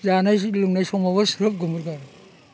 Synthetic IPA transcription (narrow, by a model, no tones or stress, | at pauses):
zanajluŋnajsɔŋmaβɐsɾɯp̚ɡɔmuɾɡaɾ